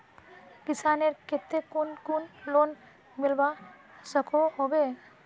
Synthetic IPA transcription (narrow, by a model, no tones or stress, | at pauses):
kɪsaːneɾkɪt̪ːekunkunloːn | mɪlba | səkʰoɦobe